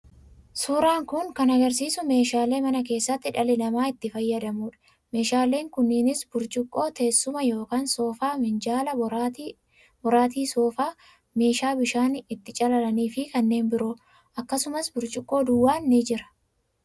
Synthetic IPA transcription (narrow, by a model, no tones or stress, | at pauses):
suːɾaːŋkʊŋkɐnɐɡɐɾs̬iːsʊme̞ːʃaːle̞ːmɐnɐk̬e̞ːsːɐt̪ːɪᶑɐlɪnɐmaːɪt̪ːɪfɐjːɐd̪ɐmuːᶑɐ̥ | me̞ːʃaːlːe̞ːŋkʊnːɪnɪsbʊɾt͡ʃʼɪkʼːo̞ːt̪e̞ːsːʊmɐjo̞ːkaːnsoːfaːmɪnd͡ʒaːlɐ | bɔɾaːt̪̬iːsoːfaː | me̞ːʃaːbɪʃaːnɪt̪ːɪt͡ʃʼɐlɐlɐniːfɪkɐnːe̞ːnbɪɾoː | ʔɐkːɐsʊmɐsbʊɾt͡ʃʼɪkʼːo̞ːd̪ʊwːaːnːɪd͡ʒɪɾɐ̥